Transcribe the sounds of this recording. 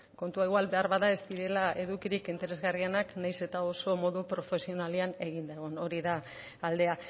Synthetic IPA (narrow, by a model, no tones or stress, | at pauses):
ko̞nt̪uaiɣwalβe̞aɾβaðae̞st̪iɾe̞lae̞ðukiɾikint̪e̞ɾe̞zɣarienaknajse̞t̪ao̞so̞mo̞ðupɾo̞fe̞sio̞naliane̞ɣ̞ind̪aɣono̞ɾiðaː | ld̪e̞a